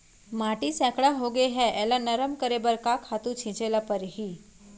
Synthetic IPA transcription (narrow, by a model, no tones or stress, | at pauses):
maʈisɛ̃kʰɽaɦoɡeɦɛʔɛlanəɾəmkəɾebəɾkakʰhat̪ũt͡ʃʰĩt͡ʃelapəɾɦi